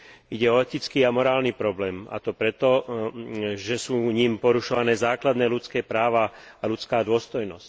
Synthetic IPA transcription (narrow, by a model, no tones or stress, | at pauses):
iɟɛɔɛt̪it͡skiːamɔɾaːlnipɾɔblɛːma̰t̪ɔpɾɛt̪ɔ | ʒɛsuːɲimpɔɾuʃɔʋanɛːzaːklad̪nɛːlut͡skɛːpɾaːʋaːlut͡skaːd̪ʊɔst̪ɔjnɔsc